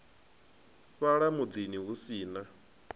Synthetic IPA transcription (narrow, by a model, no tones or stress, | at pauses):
βaɺamud̪iniɦusiːna